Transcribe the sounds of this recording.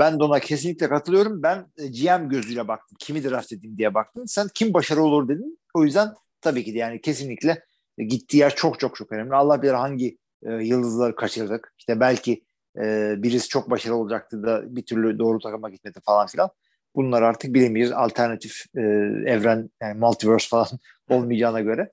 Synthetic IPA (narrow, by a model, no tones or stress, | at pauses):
bænd̪o̞nacʰe̞sinlʲicʲlʲɛkʰat̪ʰɯlˠɯjo̞ɾumbænd͡ʒijæmɟø̞zyjlʲɛbak̚t̪ʰɯmcʰimid̪ɛɾaft̪ed̪imd̪ijɛbak̚t̪ʰɯmsæncʰimbaʃaɾɯo̞lˠuɾd̪e̞d̪in | o̞jyzd̪æn | t̪ʰabiːcid̪ɛjaːnicʰe̞sinlʲiclʲɛ | ɟit̪ʰːiːjæɾt͡ʃʰo̞kt͡ʃʰo̞k̚t͡ʃʰo̞kønɛmlʲialˠːahbilʲeɾɦaɲɟiː | jɯlˠd̪ɯzlˠaɾɯkʰat͡ʃʰɯɾd̪ɯkiʃt̪ʰɛbælʲcʰi | ɛːbiɾisi̥t͡ʃʰo̞k̚baʃaɾɯo̞lˠad͡ʒak̚t̪ʰɯd̪abit̪ʰyɾlʲyd̪o̞ːɾut̪ʰakamakit̪̚met̪ʰifalˠanfilʲan | bunlˠaɾaɾt̪ʰɯk̚bilʲemijɾza̰lʲt̪ʰæɾnat̪ʰifː | ɛvɾænjanmalʲt̪ʰivøɾsfalˠan | o̞lˠmijd͡ʒaːnaɟø̞ɾɛ